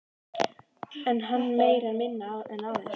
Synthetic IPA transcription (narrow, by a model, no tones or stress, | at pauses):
ɛnɦanːmeːjɾaɾmɪnːaðɛnawðɛ